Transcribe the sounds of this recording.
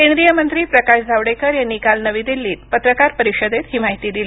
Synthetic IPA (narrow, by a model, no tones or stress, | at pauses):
kẽnd̪ɾijəmənt̪ɾiːpɾəkaɕd͡zʱaʋɽekəɾjanːikalnəʋiːd̪ilːiːt̪pət̪ɾəkaɾpəɾiɕəd̪et̪hiːmaɦit̪iːd̪ili